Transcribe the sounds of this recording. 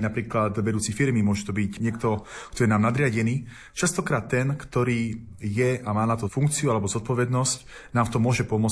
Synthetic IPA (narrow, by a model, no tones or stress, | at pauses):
napɾiːklat̪ʋɛd̪uːt͡sifiɾmimʊɔʒɛt̪ɔbicɲɛkt̪ɔkt̪ɔjɛnaːmnad̪ɾɪaɟɛniː | t͡ʃast̪ɔkɾaːt̪ːɛnkt̪ɔɾiː | jɛamaːnat̪ɔfuŋkt͡siualɛbɔzɔt̪̚pɔʋɛd̪nɔsc | naːmft̪ɔmːʊɔʒɛpɔmʊɔt͡s